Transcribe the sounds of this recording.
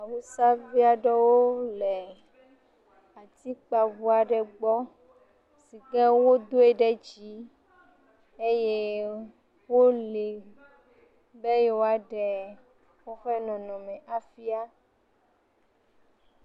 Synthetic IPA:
a˨wu˦sa˦vi˦a˨ɖɛ˦wo˦lɛ˨ | a˨t̪i˦k͡pa˨vu˦a˨ɖɛ˨ɡ͡bɔ˦ | si˨ɡɛ̃˦wo˦d̪o˦e˦ɖɛ˦d͡ʒi˨˦ | e˦je˦ | wo˦li˨ | bɛ˦je˦wo˦a˨ɖɛ˨ | wo˦xɛ˦nɔ̃˨nɔ̃˨mɛ̃˨ʔa˨fi˦a˦

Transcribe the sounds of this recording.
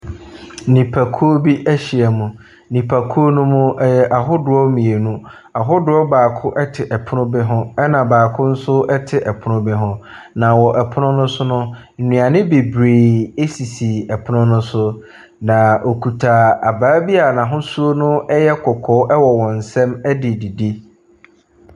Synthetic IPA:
nĩ˨pʰa˨kʰu˦o˦bi˦ʔæ˦ɕi˨a˨mũ˨ | nĩ˨pʰa˨kʰu˦o˦nũ˦mʊ̃˦ɛ˦jɛ˦ʔa˨ɦʊ˦dʊ˨ɔ˦mĩ˨e˨nũ˦ | a˨ɦʊ˦dʊ˦ɔ˦baː˨kʰʊ˦ʔɛ˦tʰɪ˨ʔɛ˨pʰʊ˦nʊ̃˦bɪ˦ɦʊ̃˦ɛ˦nã˨baː˨kʰʊ˦n̩˦sʊ˦ɛ˦tʰɪ˨ʔɛ˨pʰʊ˦nʊ̃˦bɪ˦ɦʊ̃˦ | nã˨wɔ˨ʔɛ˨pʰʊ˦nʊ̃˦nʊ̃˦sʊ˦nʊ̃˦ | n̩˨nĩ˨a˨nɪ̃˦be˨bɾeː˨e˦si˨si˨ɛ˨pʰʊ˦nʊ̃˦nʊ̃˦sʊ˦ | nã˨ʔo˨kʰu˨tʰa˨a˨baː˨˦bi˦a˨nã˨ɦʊ̃˦su˦o˦nʊ̃˦ɛ˦jɛ˦kʰɔ˨kʰɔː˦ʔɛ˦wɔ˨wɔ̃˨n̩˨sɛ̃˦mɛ˦dɪ˨di˨di˦

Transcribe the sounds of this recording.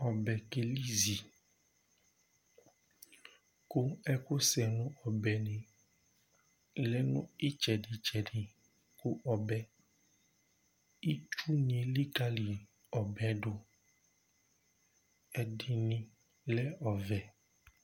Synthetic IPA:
ɔ˨bɛ˨ke˨li˦zi˨ | ko˦ɛ˦ko˦sɛ˨nũ˦ɔ˨bɛ˨nẽ˨ | lɛ˦nṵ̃˦e˦t͡ʃɛ˨ɖe˨t͡ʃɛ˨ɖi˨ | ko˦ʔɔ˨bɛ˨ | i˦t͡ʃu˦nĩ˨˦e˨li˦ka˦li˨ | ɔ˨bɛ˨˦ɖo˦ | ɛ˨ɖe˨nĩ˦ | lɛ˦ɔ˨vɛ˨

